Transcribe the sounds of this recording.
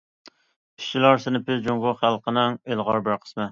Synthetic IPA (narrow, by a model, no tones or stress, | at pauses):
pʰi̥ʃt͡ʃilˠɑɾsɪnɪpʰɪzd͡ʒoŋɡoχælˠqʰənɪŋelˠʁɑɾbæɾqʰə̥smɛ